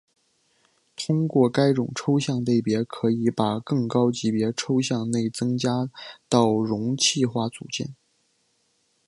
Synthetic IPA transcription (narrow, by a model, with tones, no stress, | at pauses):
t̪ʰʊ˥ŋkwɔ˥˩ka˥ɪʈ͡ʂʊ˨˩ŋʈ͡ʂʰo˥ʊɕjɑ˥˧ŋt̪e˥˩ɪpjɛ˧˥kʰɤ˧˥i˧˥pa˨˩kɤ˥˩ŋkɑ˥ʊt͡ɕi˧˥pjɛ˧˥ʈ͡ʂʰo˥ʊɕjɑ˥˧ŋne˥˩ɪt͡sɤ˥ŋt͡ɕja˥t̪ɑ˥˩ʊɻʊ˧˥ŋt͡ɕʰi˥˧xwa˥˩t͡sṵ˨˩t͡ɕjɛ̰˥˩n